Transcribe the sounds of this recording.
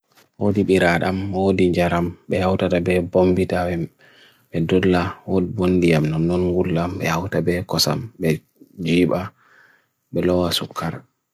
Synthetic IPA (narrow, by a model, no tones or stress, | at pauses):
wodiɓiɾaɗamwodiɲd͡ʒaɾamɓɛhawtatabɛbombitawɛm | ɓɛdɔlːawodibonːdijamnɔnːɔnŋɡulːamɓɛhawtabɛkɔsa̰mbɛ | d͡ʒiːɓa | ɓɛlɔwasukʰːaɾ